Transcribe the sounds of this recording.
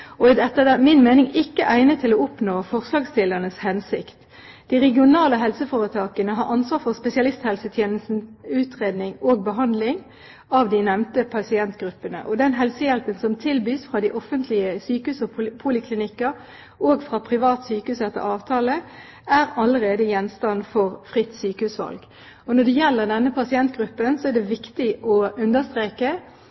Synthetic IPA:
ɔd̪ɛt̪ːɑd̪ɛmɪnmeːnɪŋɪkːəʔæɪnət̪ʰɪlɔʊpnoːfɔʁslɑːɡst̪ɪlənəshɛnsɪkt̪ | d̪̥ɪʁɛɡɪʊnɑːləɦɛlsəfoːʁət̪ʰɑːkənəɦɑɾɑnsʋɑːfɔʁspɛsɪɑlɪst̪hɛlsət̪ʰjeːnəst̪n̩ʉːt̪ʁeːd̪nɪŋoːɡ̚bəɦɑnd̪lɪŋ | ɑʋd̪ɪnɛʋnt̪əpʰɑsɪɛnt̪ɡʁʉpːənə̰ʔɔd̪ɛnɦɛlsəjɛlpənsɔmt̪ʰɪlbyːsfʁɑd̪ɪʔɔfənt̪ʰlɪəsyːkəhʉːsɔpʰuːlɪkʰlɪnɪkːə | oːɡfʁɑpʰʁɪʋɑːt̪syːkhʉːsɛt̪ːə̰ɾɑːʋt̪ʰɑːlə | æːʁɑləɾeːd̪əjɛnst̪ɑnfɔʁfʁɪt̪ːsyːkəhʉːsʋɑ̰lɡ | ɔnɔd̪ɛjɛlːəʁd̪ɛnːəpʰɑsɪɛnt̪̚ɡʁʉpːənsɔæd̪ɛʋɪkt̪ɪʔɔʉnd̪əst̪ʁeːkə

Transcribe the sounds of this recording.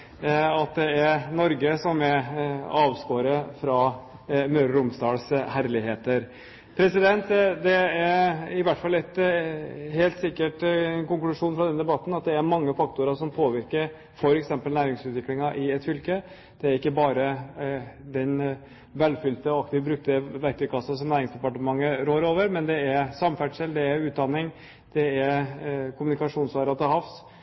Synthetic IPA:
ɑt̪̚d̪ɛæɾnɔɾɡəsɔmɛɑːʋskoːɾəfɾɑː | møːɾɾʊmsd̪ɑːlshæɾlɪɦeːt̪əɾ | pʰɾɛsɪd̪ɛnt̪d̪ɛæɾɪʋæʈːfɑlːɛt̪ | heːlt̪sɪkːəʈnkʊŋklʉʂuːnfɾɑd̪ɛnəd̪ɛbɑt̪ːn̩ɑt̪̚d̪ɛæɾmɑŋːəfɑkt̪ʊɾəʂɔmpʰoːʋɪɾkəɾ | fɔɾɛksɛmpəlnæːɾɪŋsʉːt̪ʋɪklɪŋɑʔɪɛt̪fʏlkə | d̪̥ɛæɾɪkːəbɑːɾə | d̪ɛn | ʋɛlfʏlt̪əɔɑkt̪ɪʋbɾʉk̚t̪əʋæɾt̪əkʰɑsəsɔmnæːɾɪŋsd̪ɛpɑʈəmɑŋːəɾoːɾoːʋəɾmɛnd̪ɛæɾsɑmfæʈʂɛld̪ɛæɾʉːt̪̚d̪ɑnːɪŋ | d̪̥ɛæɾkʰʊmʉnɪkɑʂuːnsʋɑːɾɑt̪əɦɑfs

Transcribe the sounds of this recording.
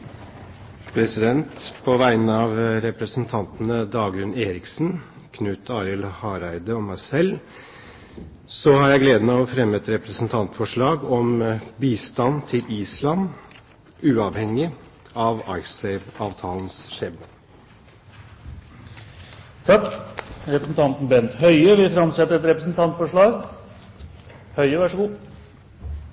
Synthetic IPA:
pʰɾɛsɪd̪ɛnt̪pʰɔʋæɪnəɑʋɾɛpɾəsn̩t̪ʰɑnt̪nəd̪ɑːɡɾʉneːɾɪksn | kʰnʉːt̪ʰɑːɾɪlhɑːɾæɪd̪əɔmæɪsɛl | sɔhɑɾjæɪɡleːd̪əmæɔfɾɛmːəɛt̪ɾɛpɾəsn̩t̪ʰɑnt̪fɔʂɭɑːɡɔmbiːst̪ɑnt̪ʰɪliːslɑn | ʉːɑʋhɛŋːɪ | ɑʋɑɪsɛɪʋɑːʋt̪ʰɑːlnsʂeːbə | t̪ʰɑkːɾɛpɾəsn̩t̪ʰɑnt̪n̩bɛnt̪hœʏəʋɪfɾɑmsɛt̪ːəɾɛt̪ɾɛpɾəsn̩t̪ʰɑnt̪fɔʂɭɑːɡ | hœʏəʋæʂəɡuː

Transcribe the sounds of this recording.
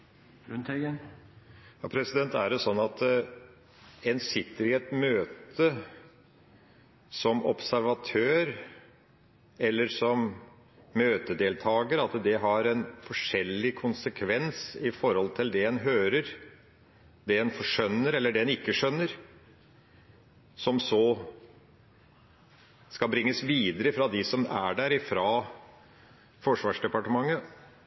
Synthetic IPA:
ʉnt̪ɛɡən | jɑːpʰɾɛsɪd̪ɛnt̪æ̰ɖɛsɔnːɑt̪ | eːnsɪt̪ːəɾɪɛt̪møːt̪ʰə | sɔmɔpsæɾʋɑt̪ʰøːɾ | ɛlːəɾsɔmː | øːt̪əd̪eːlt̪ʰɑːɡəɾəɑt̪d̪ɛɦɑɾɛnfɔʂɛlːɪkʰʊnsəkʰʋɛnsɪfɔɾhɔlt̪ʰɪld̪ɛɛnɦøːɾəɾ | d̪ɛɛnfɔʂœnːəɾɛlːəɖɛɛnɪkːəʂœnːəɾ | sɔmsɔ | skɑbɾɪŋːəsʋiːd̪əɾəfɾɑd̪ɪsɔmæɖæɾɪfɾɑː | fɔʂʋɑːʂɖɛpɑʈəmɑŋːə

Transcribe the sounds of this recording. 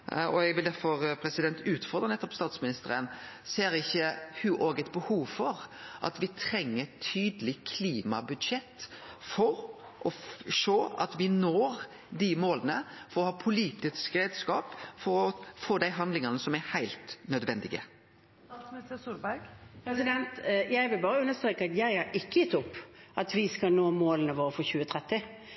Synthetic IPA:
ɔ̰ɛɡʋɪld̪æɾfɔɾpʰɾɛsɪd̪ɛnt̪ʉːt̪fɔɾʁd̪ɾənɛt̪ːɔpst̪ɑːt̪smɪnɪst̪əɾənseːɾɪçːəhʉʔoːɡɛt̪̚bəhuːʋfɔɾʔɑ̰t̪ʋɪt̪ʰɾɛŋːət̪ʰyːd̪əlɪkʰliːmɑ̰bʉd̪ʃɛt̪ːfɔɾ | ʔɔʂoːɑ̰t̪ʋɪnoːɾ | d̪ɪmoːlənəfɔɾɔhɑːpʰʊliːt̪ɪskɾeːd̪skɑːpfɔɾɔfoːd̪æɪɦɑnd̪lɪŋɑnəsɔmæhæɪlt̪nœd̪ʋɛnd̪ɪɡə̰ | mɛsəsulbæɡpʰɾɛsɪd̪ɛnt̪jæɪʋɪlbɑːɾəʉnːəst̪ɾeːkəɑt̪jæɪhɑɾʔɪkːəjɪt̪ʊpːʔɑt̪ʋɪskɑnoːmoːlənəʋoːɾəfɔçʉːət̪ʰɾɛt̪ːɪ

